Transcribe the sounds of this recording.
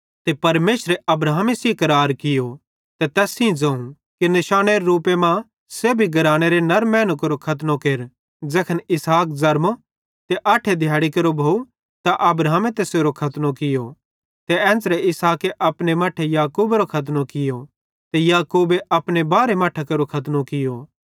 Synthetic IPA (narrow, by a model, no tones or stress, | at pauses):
t̪epɐɾmeːsɾeʔɐbɾaːmesikɐɾaːɾkɪjo | t̪et̪ɛːsĩd͡ʒɐ̃ːũ | kinɪʃaːñeɾeɾuːpemã | seːbʱiɡɐɾaːɽ̃eɾenɐɾmɛ̃ːnʊkɾokʰɐt̪̬nõkeːɾ | d͡ʒɛːkʰənɪsaːk̚zɐɾmo | t̪eʔaːʈʰed̪ʱjaːɽikɐɾobʱoːu | t̪aʔɐbɾaːmẽt̪eseːɾokʰɐt̪nokɪjo | t̪ɛɛ̃ːnd͡zɾeɪsaːkeʔɐpɽ̃emaːʈʰejaːkuːbeɾokʰɐt̪̬nokɪjo | t̪ejaːkuːbeʔɐpɽ̃ebaːɾemaːʈʰekɐɾokʰɐt̪̬nokɪjo